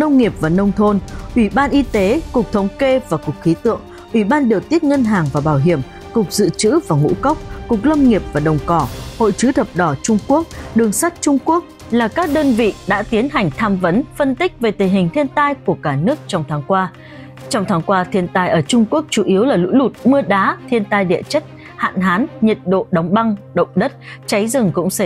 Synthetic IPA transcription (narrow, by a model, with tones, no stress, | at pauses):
nə˧wŋ͡mŋi˨˩əp̚vaː˨˩nə˧wŋ͡mt̪ʰo˧nʔwi˧˩ɓaː˧nʔi˧t̪e˨˦kʊ˨˩k͡p̚t̪ʰə˨˦wŋ͡mke˧vaː˨˩kʊ˨˩k̚xi˨˦t̪ɨ̰˧˨əŋ | ʔwi˧˩ɓaː˧nɗi˨˩əwt̪i˦˥ət̚ŋə˧nɦaː˨˩ŋvaː˨˩ɓaː˧˩wɦi˧˩əm | kʊ˨˩k͡p̚zɨ̰˧˨t͡ɕɨ̰˧˥vaː˨˩ŋṵ˧˥kə˦˥wk͡p̚kʊ˨˩k̚nə˧wŋ͡mŋi˨˩əp̚vaː˨˩ɗə˨˩wŋ͡mkɔ˧˩ho̰˧˨jt͡ɕɨ˨˦t̪ʰə˨˩p̚ɗɔ˧˩t͡ɕʊ˧ŋ͡mku˦˥ək̚ɗɨ˨˩əŋsa˦˥jk̟̚t͡ɕʊ˧ŋ͡mku˦˥ək̚ | laː˨˩kaː˦˥k̚ɗəː˧nvḭ˧˨ɗa̰ː˧˥t̪i˨˦ənɦa˨˩jŋ̟t̪ʰaː˧mvə˨˦nfə˧nt̪ï˦˥k̟̚ve˨˩t̪ï˨˩ŋɦï˨˩ŋ̟t̪ʰi˧ənt̪aː˧jku˧˩əkaː˧˩nɨ˦˥ək̚t͡ɕɔ˧wŋ͡mt̪ʰaː˨˦ŋkwaː˧ | t͡ɕɔ˧wŋ͡mt̪ʰaː˨˦ŋkwaː˧t̪ʰi˧ənt̪aː˧jʔəː˧˩t͡ɕʊ˧ŋ͡mku˦˥ək̚t͡ɕu˧˩ʔi˨˦əwlaː˨˩lṵ˧˥lu˨˩t̚mɨ˧əɗaː˨˦t̪ʰi˧ənt̪aː˧jɗḭ˧˨ət͡ɕə˦˥t̚ | ha̰ː˧˨nɦaː˨˦nɲə˨˩t̚ɗo̰˧˨ɗa˨˦wŋ͡mɓa˧ŋɗə̰˧˨wŋ͡mɗə˦˥t̚t͡ɕa˨˦jzɨ˨˩ŋkʊ̰˧˥ŋ͡msə˧˩